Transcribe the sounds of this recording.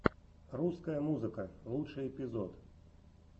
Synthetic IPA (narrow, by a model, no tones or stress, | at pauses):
ruskɐjɐmuzɨkɐlˠutt͡ʂɨjɛpʲizɔt̪